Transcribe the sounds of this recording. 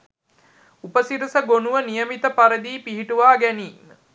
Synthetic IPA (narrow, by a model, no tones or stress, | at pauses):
upəsiɾəsəɡonuʋənijəmit̪əpaɾəd̪iːpiɦiʈuʋaːɡæniːmə